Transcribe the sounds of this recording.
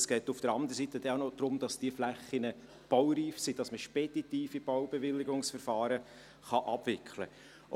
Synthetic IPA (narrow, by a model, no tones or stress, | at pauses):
sɡ̥ɛːtufd̥əɾɑnd̪əɾəsit̪əd̥ɛaʊnod̥̪ɾʊmd̥ɑsd̥iəflæχːinə | b̥awɾiːfsid̥ɑsməʃpɛd̥itiːfib̥awbeʋɪlːɪɡʊŋsfəɾfɑːɾə | χɑʔɑb̥ʋɪkʰlə̰